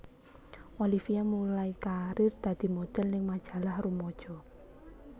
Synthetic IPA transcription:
walifiamulaikaɾɪrd̪̥a̤d̪̥i̤mod̪̥ɛ̤lnɪŋmad̥ʒ̥a̤lahrumɔd̥ʒ̥ɔ̤

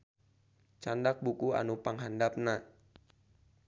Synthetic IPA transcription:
t͡ʃandak̚bukua̰nupaŋɦandap̚na

